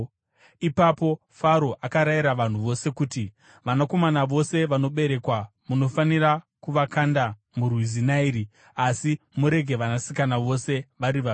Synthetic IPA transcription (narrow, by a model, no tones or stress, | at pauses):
ipapo̞ | faɾo̞ʔakaɾaiɾaʋan̤uʋo̞se̞kuːti | ʋanako̞manaʋo̞se̞ʋano̞ɓe̞ɾe̞kwa | muno̞fanira | kuʋakanda | murwizinaiɾi | asi | muɾe̞ɡʱe̞ʋanasikanaʋo̞se̞ʋaɾiʋa